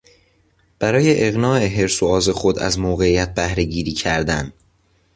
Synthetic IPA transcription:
b̥æɾɒːje̞ʔeɣnɒːʔe̞ɦe̞ɾsoɒːze̞xo̞d̪æ̰zmoːɣe̞ijæt̪̚bæhɾe̞ɟiːɾiːcʰæɾd̪æn

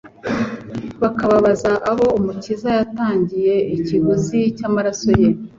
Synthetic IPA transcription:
βakaβaβazaʔaβo̞umucizajataːɲɟije̞ʔiciβuzicamaɾaso̞je̞

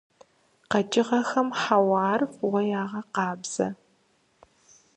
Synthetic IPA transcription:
qɐd͡ʒʼɪʁɐxɐmħawɑːrwɐjaːʁɐqɑːbz̥ɐ̰

